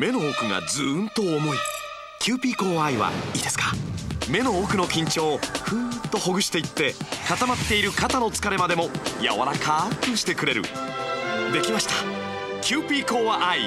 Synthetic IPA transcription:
me̞no̞oːkɯ̟ŋa̰d͡zɨnt̪o̞ːmo̞i | kʲɨːpʲiːko̞ːβaiβa̰iːd̪e̞sɨ̥kḁme̞no̞oːkɯ̟no̞kʲĩɲ̟t͡ɕo̞ːɸɯ̟t̪ːo̞ho̞ɡɯ̟ɕi̥t̪e̞it̪ːe̞kat̪amat̪ːe̞iɾɯ̟kat̪ano̞t͡sɨ̥kaɾe̞mad̪e̞mo̞ja̰βa̰ɾakaːpɯ̟̃ɰ̃ɕi̥t̪e̞kɯ̟ɾe̞ɾɯ̰ | d̪e̞kʲimaɕi̥t̪a | kʲɨːpʲiːko̞ːβaʔai

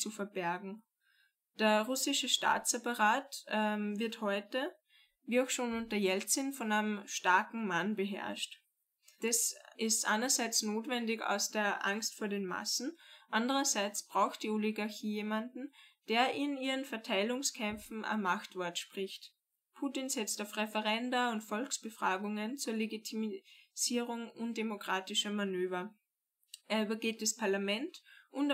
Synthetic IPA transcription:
t͡sufɛɐb̥ɛɐɡŋ̩ | d̥eːɐʁʊsɪʃəʃta̰ːt͡sepɐʁaːtɛvɪɐthɔʏtə | viːaʊxʃoːnʊnt̚dəɐjɛlt͡sɪnfɔnaɪnəmʃtaɐkŋ̩manbəɦɛ̰ɐʃt | d̥asʔɪstʔa̰ɪnɐzaɪt͡snoːtv̥ɛndɪça̰ʊsd̥eːɐʔa̰ŋstfoːɐdeːnma̰sn̩ʔandəʁɐzaɪt͡sb̥ʁaʊxt̚d̥iːoliɡaɐçiːjeːmandn̩d̥eːɐʔɪniːʁənfɛɐtʰaɪlʊŋskʰɛmfn̩ʔɐ̰mːaxtv̥ɔɐtʃpʁ̥ɪçt | pʰuːtɪnzɛt͡staʊfʁɛfɛʁɛndaʊntfɔlksb̥əfʁ̥aːɡʊŋənt͡suːɐleɡitʰimiz̥iːʁʊŋʊndemokʁ̥aːtɪʃɐmanøːvɐ | ʔeːɐyːbɐɡeːt̚d̥aspʰaɐlamɛntʔʊnt

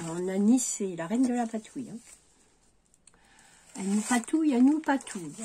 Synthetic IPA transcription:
ɔ̃naniselaʁɛnd̪əlapat̪ʰujɛ̃ | anpat̪ujanupat̪ʰuj

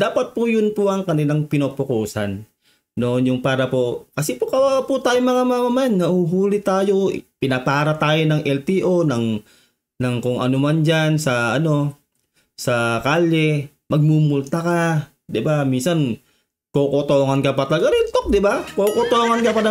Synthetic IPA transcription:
d̪̥aːpat̪̚pujʊnpuʔɐŋkɐnilaŋpɪnopokosa̰nː | onjʊŋpaːɾapokɐsɛpokɐwaaput̪aːjoŋmɐŋamamamajannɐhuɦuːlɪt̪aːjo̰pɪnapaːɾat̪aːjonɐŋʔɛlt̪iʔonɐŋ | nɐŋkoŋʔɐ̰nomand͡ʒansɐɐno̞ | sɐkaːlːɛ | mɐɡ̚mumult̪aka | d̪ɪbaminsan | kokot̪oːŋankɐpɐt̪ɐlɡaɾint̪ok̚d̪ɪbakokot̪oːŋankɐpada

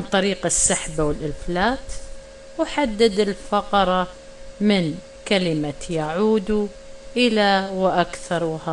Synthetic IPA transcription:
ant̪ˤɑɾiːqɪsːaħbawɪlʔɪlflaːt̪ | wħad̪ːɪd̪ɪlfɑqɑɾˤɑ | mɪn | kalɪmajaʕuːd̪u | ʔɪlawʔakθɑɾˤwha

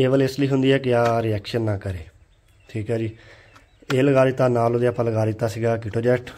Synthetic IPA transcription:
eːʋəlɪsliːɦʊnd̪iːɦɛːkɪaːɾiɛːkʃənːãːkəɾeː | ʈʰiːkɦɛːd͡ʒiː | eːləɡaːɾɪt̪ːaːnaːlod̪ejaːpələɡaːɾɪt̪aːsiːɡaːkɪʈoːd͡ʒɛːʈʰ

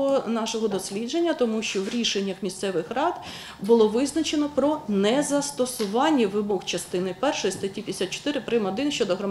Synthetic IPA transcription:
ɔnɑʃɔɦɔd̪ɔsʲlʲid͡ʒe̞nʲːɐt̪ɔmuʃt͡ʃɔʋɾʲiʃenʲːɐxmʲist̪sɛʋɪxrɑd̪̥ | bʊlˠɔʋɪznɐt͡ʃenɔpɾɔnɛzɐst̪ɔsʊʋɑnʲːiʋɪbɔxt͡ʃɐst̪ɪnɪpɛrʃɔjist̪ɐtʲipʲj̪esʲat̪̚t͡ʃɔ̥t̪ɪɾɪpɾɪmɔd̪ɪnʃt͡ʃɔd̪ɔɦrɔm

